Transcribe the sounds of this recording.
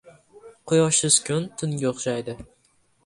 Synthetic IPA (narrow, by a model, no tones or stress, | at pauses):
qʰʊjɒʃɪskʲʰʊnt̪ʰʊnɡʲaoχʃajd̪ɪ